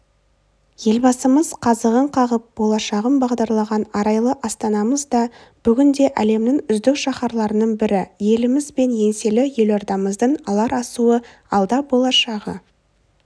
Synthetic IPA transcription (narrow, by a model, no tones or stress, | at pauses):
je̞lbɑsəməz̥qʰɑzəʁəɴqʰɑʁəp̚b̥o̞lˠɑʃɑʁəmbɑʁd̪ɑɾlˠɑʁɑnɑɾɑjlˠəʔɑst̪ɑnɑməzd̪ɑ | b̥ʏɡʲɪnd̪e̞ʔæle̞mnɪŋʏzd̪ɪkʃɑχɑɾlˠɑɾənəɴbɪɾɪje̞lɪmɪzbe̞nje̞nse̞lɪje̞loɾd̪ɑməzd̪əɴɑlˠɑɾɑsuə | ɑlˠd̪ɑbo̞lˠɑʃɑʁə̰